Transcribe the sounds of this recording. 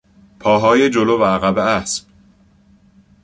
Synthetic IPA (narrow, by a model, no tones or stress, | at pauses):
pʰɒːɦɒːjed͡ʒolovæːɣæbeæsb̥̚